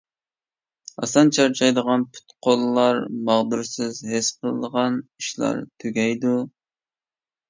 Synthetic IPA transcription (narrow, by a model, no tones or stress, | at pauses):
ɑ̰sɑnt͡ʃʰɑɾt͡ʃʰɑjd̪əʁɑnpʰy̥t̪qʰolˠlːˠɑɾmɑʁd̪uɾsɨzɦɪsqʰəlˠəd̪əʁɑniʃlˠɑ̰ɾt̪ʰyɡʲɛjd̪u